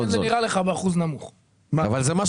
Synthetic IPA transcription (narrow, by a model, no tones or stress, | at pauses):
zeniʁaleχabeaχuznamuχ | maavalzemaʃ